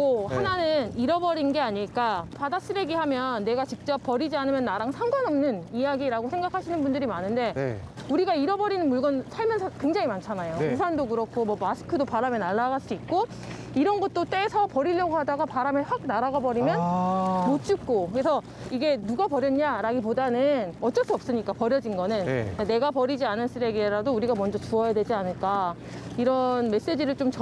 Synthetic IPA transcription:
kohananɯniɾʌbʌɾinnɡe̞aɲiɭk͈apadas͈ɯɾeɡihamjʌnːe̞ɡat͡ɕik̚t͡ɕ͈ʌp̚p͈ːʌɾid͡ʑianɯmjʌnːaɾaŋsʰaŋɡwanʌmnɯnijaɡiɾaɡosʰeŋɡakʰaɕʰinɯnbundɯɾimanɯnde̞ | uɾiɡaiɾʌbʌɾinɯnmuɭɡʌnsʰaɭmjʌnsʰʌkwe̞ŋd͡ʑaŋimant͡ɕʰanajousʰandokɯɾʌkʰomʌmasʰɯ̥kʰɯdopaɾamenaɭːaɡaɭs͈uit̚k͈o | iɾʌnɡʌt̚t͈ot͈we̞sʰʌpʌɾiʎːʌɡoɦadaɡapaɾameɸwak̚naɾaɡabʌɾimjʌntot͡ɕ͈uk̚k͈okɾe̞sʰʌ | iɡe̞nuɡapʌɾjʌnɲaɾaɡipodanɯnʌt̚t͡ɕ͈ʌs͈uʌp̚s͈ɯɲik͈apʌɾjʌd͡ʑinɡʌnɯn̰kane̞ɡapʌɾid͡ʑianɯɭs͈ɯɾeɡiɾadouɾiɡamʌnd͡ʑʌt͡ɕuʌjadwe̞d͡ʑianɯɭk͈a | iɾʌnme̞s͈e̞d͡ʑiɾɯɭt͡ɕ͈omt͡ɕ

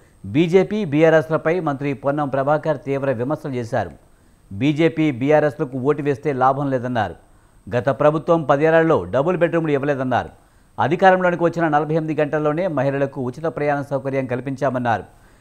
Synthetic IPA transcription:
biːd͡ʒe̞ːpiːbiːjaːɾeslɐpɐjmɐnt̪ɾipɔnːɐmpɾɐbʱaːkɐɾt̪iːʋɾɐʋimɐɾsɐlut͡ʃeːsa̰ːɾṵ | biːd͡ʒe̞ːpiːbijaːɾeslɐkuo̞ːʈiʋe̞ːst̪e̞ːlaːbʱɐmlɛːd̪ɐnːa̰ːɾṵ | ɡɐt̪ɐpɾɐbʱut̪ʋɐmpɐd̪iɛːlallo̞ːɖɐbulbeʈɾumuluiʋɐlɛːd̪ɐnːa̰ːɾṵ | ɐ̰d̪ʱikaːɾɐmlo̞ːnikiʋɐt͡ʃːinɐnɐlɐbʱɐjɐmid̪iɡɐɳʈɐlːoːne̞ːmɐɦilɐlɐkuut͡ʃːit̪ɐpɾɐjaːnɐsɐwkɐɾjɐŋkɐlipiɲt͡ʃaːmɐnːaːɾṵ

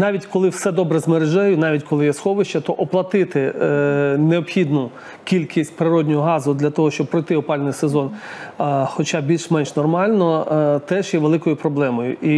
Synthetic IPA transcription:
nɑʋʲitʲkɔlˠɪwsɛd̪ɔbɾɛzmeɾeʒɛjʊnɑʋʲitʲkɔlˠɪjɛsxɔʋɪʃt͡ʃɐt̪ɔʔɔplˠɐt̪ɪt̪ɪ | neɔbxʲid̪nʊ | kʲilʲkʲisʲtʲpɾɪɾɔdʲnʲɔɦɔɦɑzʊd̪lʲɐt̪ɔɦɔʃt͡ʃɔb̚pːɾɔjt̪ɪɔpɑlʲnɪjsezɔn | xɔt͡ʃɑbbʲilʲʃmɛnʃnɔrmɑlʲnɔt̪ɛʒjɛʋelˠɪkɔjʊpɾɔblˠɛmɔjʊ̰ʔi

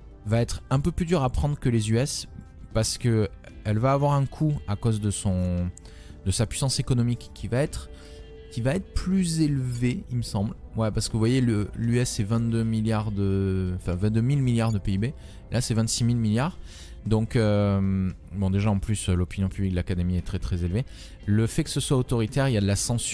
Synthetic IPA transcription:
vaɛt̪χɛ̃pøplyd̪yʁapχɑ̃d̪ʁəkəlezyɛs | paʁsə̥kə | ɛlvaːvwaʁɛ̃kʰuakozd̪əsɔ̃ | d̪əsapɥisɑ̃sekɔnɔmikːivaɛt̪χ | kʲivaɛt̪χəplyzelveiməsɑ̃blwɛpaʁsə̥kəvuvwajeləlyɛsɛvɛ̃nt̪̚d̪ømiljaʁd̪əɑ̃fɛ̃vɛ̃t̪d̪ømilmiljaʁd̪əpeibe | lʔasɛvɛ̃nt̪similmiljaʁ | d̪ɔ̃køm | bɔ̃d̪eʒaɑ̃plysølɔpinjɔ̃pyblikd̪lakad̪emiɛt̪χɛt̪χɛzelve | ləfɛkə̥səswaot̪ɔʁit̪ɛʁiljad̪əlasɑ̃s

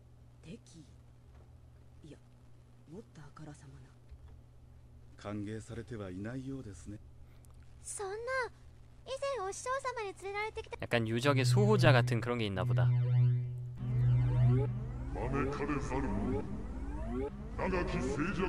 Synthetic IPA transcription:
t̪e̞kʲʰi | ia | mot̪ːakaɾasamana | kʰaŋɡe̞sʰaɾe̞t̪ʰe̞bainaijod̪e̞sɨne̞ | sonːa | izẽ̞ɰ̃oɕt͡ɕoːsamaɲit͡sɨɾeɾaɾe̞t̪e̞kʲi̥t̪aja̰k͈anjud͡ʑʌɡes̬ʰobod͡ʑaɡatʰɯnkɯɾʌnɡe̞inːaboda | mamekʰaɾesaɾɯ | naɡakʲiseːd͡ʑa

